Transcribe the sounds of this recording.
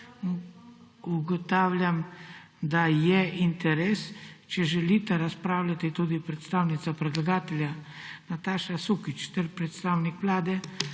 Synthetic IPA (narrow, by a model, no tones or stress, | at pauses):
uɡɔt̪aːwljam | d̪ajɛint̪ɛɾɛːst͡ʃɛʒɛlit̪ɛɾaspɾaːwlʲat̪it̪uːd̪ipɾɛt̪st̪aːwnit̪sapɾɛd̪laɡaːt̪ɛlʲja | nat̪aːʃasukit͡ʃt̪ɛɾpɾɛt̪st̪awnikʋlaːd̪ɛ